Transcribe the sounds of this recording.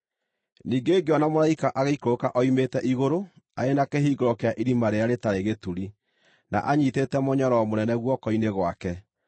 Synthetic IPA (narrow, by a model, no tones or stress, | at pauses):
niːɡeːɡeɔnamoɾaikaʔaɣeikookaʔɔimetɛʔiɣoɾo | a̰enakeɦiːɡoɾɔkeaʔiɾimaɾeaɾetaɾeɣetuɾi | na̰ʔaɲiːtetɛmɔɲɔɾɔmonɛnɛɣwɔkɔineɣwakɛ